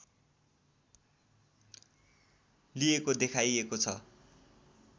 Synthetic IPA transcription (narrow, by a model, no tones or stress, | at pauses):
liekod̪ekʰajekot͡sʰʌ̰